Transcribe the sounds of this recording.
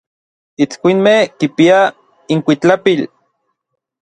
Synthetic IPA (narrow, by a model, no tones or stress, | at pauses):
it͡skʷinmehkipia | iŋkʷit͡ɬapil